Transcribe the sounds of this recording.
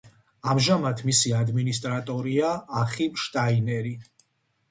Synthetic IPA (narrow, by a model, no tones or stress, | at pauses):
amʒamat̪ʰmisiad̪minist̪ʼɾat̪ʼɔɾiaːχipʃt̪ʼainɛɾi